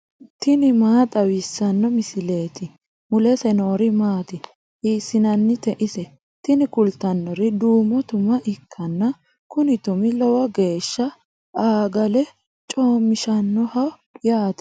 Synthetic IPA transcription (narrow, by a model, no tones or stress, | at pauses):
t̪ɪnɪmaːt̪ʼɐwisːɐnːɔmɪsɪle̞ːt̪ɪ | mʊlɛsɛno̞ːɾɪmaːt̪ɪ | hiːsːɪnɐnːɪt̪ɛʔɪsɛ | t̪ɪnɪkʊlt̪ːɐnːɔɾɪd̪uːmɔt̪ʊmɐʔɪkʰːɐnːɐ | kʊnɪt̪ʊmɪlɔwɐɡe̞ːʃːɐ | aːɡɐlɛ | t͡ʃʼo̞ːmːɪʃɐnːɔhɐw | jaːt̪ɛ̥